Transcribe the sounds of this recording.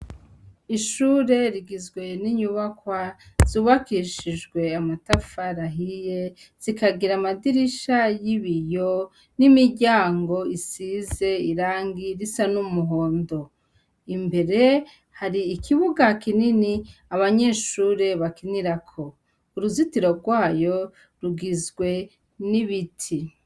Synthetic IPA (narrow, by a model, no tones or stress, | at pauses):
iʃuːɾe̞ɾiɡizɡwe̞niɲuβakwaz̥uːβakiʃid͡ʒɡwe̞amatafaɾaɦije̞ | z̥ikaɡiɾamadiɾiʃajiβijo | nimiɟaːŋɡo̞isize̞iɾaːŋɡiɾisanumuɦo̞ːndo̞ | imbe̞ɾe̞ | haɾiːkʰiβuɡakininiaβaɲe̞ʃuɾe̞βakiniɾakʰo̞ | uɾuzitiɾo̞ɾɡwaːjo̞ | ɾuɡizɡwe̞ | niβitʰi